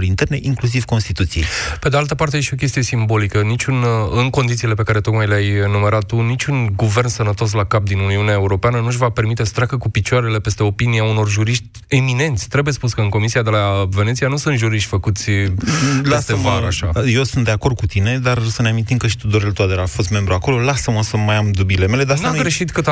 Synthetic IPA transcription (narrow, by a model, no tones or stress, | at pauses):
ɾint̪erneʔiŋklus̬iv̥ko̞nst̪it̪ut̪sieped̪e̞alt̪əpart̪eeʃio̞kʲe̞st̪ije̞simbo̞likənit͡ʃʲunɨnko̞nd̪it̪sile̞pe̞kaɾe̞t̪o̞kmajleajnume̞ɾat̪ːunit͡ʃʲunɡuve̞rnsənət̪o̞s̬lakap̚d̪inuniuneae̞uɾo̞peanənuʒʲvape̞rɾmit̪e̞sə̥t̪ɾʲakəkupit͡ʃuaɾe̞le̞pe̞st̪e̞o̞piniauno̞rʒuɾiʃt̪ʲemine̞nt̪sʲt̪ɾe̞buje̞spuskəɨŋko̞misiad̪e̞lave̞nesijanusunt̪ʒuɾiʃt̪ʲfəkut̪sʲ | lest̪evaɾaʃaje̞sunt̪d̪e̞ako̞rd̪̚kut̪ine̞d̪arosəneamint̪imkəʃi̥t̪ud̪oɾelt̪uad̪eɾafo̞st̪me̞mbɾuako̞lo̞lasəmosəmajamd̪ubile̞me̞le̞d̪asnaɡɾeʃit̪kɨt̪